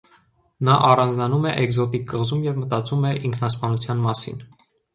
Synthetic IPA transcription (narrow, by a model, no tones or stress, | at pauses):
nɑʔɑrɑnd͡znɑnumɛʔɛɡzɔt̪ikːəʁzumjɛvmət̪ɑt͡sumɛʔiŋkʰnɑspɑnut͡sʰjɑnmɑsḭn